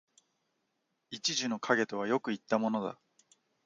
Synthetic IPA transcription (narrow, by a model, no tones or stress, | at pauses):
it͡ɕiʑɨno̞kʰaɡe̞t̪o̞β̞ajo̞kɯ̟it̪ːamo̞no̞d̪a̰